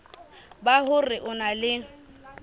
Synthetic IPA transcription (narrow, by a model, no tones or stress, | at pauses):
bahʊrɪʔʊnalɪ